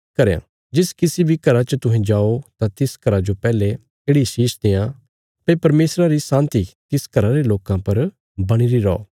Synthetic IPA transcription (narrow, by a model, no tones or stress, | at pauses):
kɐɾejã̰ | d͡ʒɪskɪsibʱikɐɾat͡ʃət̪ʊ̃ɦɛ̃d͡ʒaːot̪ãt̪ɪskɐɾad͡ʒopɛːle | eːɽiʃiːʃd̪eːã | pɐepɐɾmeːsɾaɾisãːnt̪ik̪ɪskɐɾaɾeloːkãpɐɾ | bɐɽ̃iɾiɾɔo̰ː